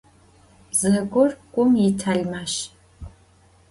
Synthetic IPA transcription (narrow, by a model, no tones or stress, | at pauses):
zɐkʷʊrkʷʼʊmjitʰajmaʃ